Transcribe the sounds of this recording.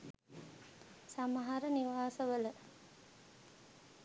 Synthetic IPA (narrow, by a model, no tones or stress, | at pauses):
samɐɦɐɾəniʋaːsəʋələ